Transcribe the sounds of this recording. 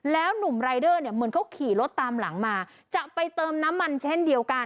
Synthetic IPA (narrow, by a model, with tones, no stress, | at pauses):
lɛː˦˥wnu˨˩mɾaː˧jdɤː˥˩ni˥˩əmɯ˧˦ənkʰa˦˥wkʰiː˨˩˦lo˦˥t̪ːaː˧mla̰˩˦ŋmaː˧ | t͡ɕa˨˩pa˧jt̪ɤː˧mna˦˥mːa˧nt͡ɕʰe˥˩ndi˧əwka˧n